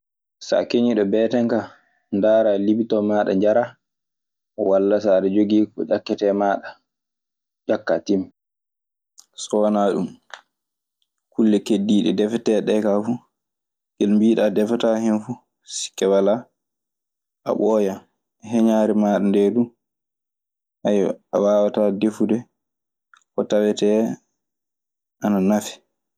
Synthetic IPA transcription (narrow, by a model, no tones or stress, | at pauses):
sa̰keɲiɗɔbɛːtɛŋka | ndaːɾalibitɔmaːɗa̰ɲd͡ʒaɾa | ɔwalːasaɗɛd͡ʒoɡiːkɔ̰d͡ʒakːɛtɛmaːɗa | d͡ʒakːatim | sɔːnaɗum | kulːɛkedːiːɗɛ̰dɛfɛtɛɗɛkafu | ɡelmbiːɗadɛfatahɛnfu | si̥kːɛwala | ʔa̰ɓɔja | ɦɛɲaːɾɛmaːɗandɛdum | ʔaja̰waːwatadefudɛ | kɔtawɛtɛ | ʔananafi̥